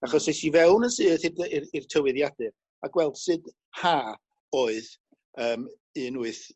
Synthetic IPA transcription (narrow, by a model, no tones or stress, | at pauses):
aχɔsejsivɛwnənsɨːðhɨdirtʰəwɨðjad̥ɨ | aɡ̥wɛlˠd̥sɨd | haː | oːɨð | əːm | ɨnuɨθ